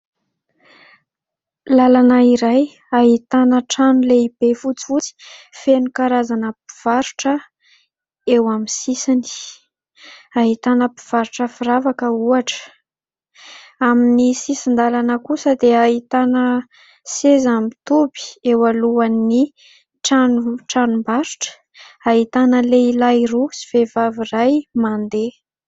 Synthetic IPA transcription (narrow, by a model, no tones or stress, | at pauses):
lalanaiɾaj | aɦit̪anəʈ͡ʂanuleib̥efut͡si̥fut͡si̥fenukaɾazanəpi̥v̥aɾuʈ͡ʂə | ewaminsisini̥ | aɦit̪anəpi̥v̥aɾuʈ͡ʂəfiɾavakəuaʈ͡ʂə̥ | aminisisind̪alanəkusəd̪eaɦit̪anə | sezamit̪ubi̥ewaluani | ʈ͡ʂanuʈ͡ʂanumbaɾuʈ͡ʂə̥ | aɦit̪anəleilajrusi̥vevavirajmand̪e